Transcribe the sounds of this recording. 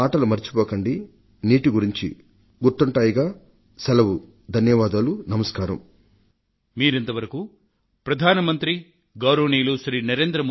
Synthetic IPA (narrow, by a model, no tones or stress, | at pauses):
aːʈɐlumɐɾit͡ʃi̥pɔːkɐɳɖi | niːʈiɡuɾiɲt͡ʃḭ | ɡuɾt̪ːuɳʈaːjiɡaː | sɐlɐʋu | d̪ʱɐnjɐʋaːd̪aːlunɐmɐskaːɾɐm | miːɾent̪ɐʋɐɾɐku | pɾɐd̪ʱaːnɐmɐnt̪ɾi | ɡɐwɾoːniːluʃɾiːnɐɾe̞ːnd̪ɾɐm